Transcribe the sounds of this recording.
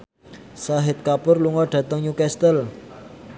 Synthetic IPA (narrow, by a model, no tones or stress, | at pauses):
saɦɪt̪̚kapʊrluŋɔɖ̥ä̤t̪əŋɲukɛst̪əl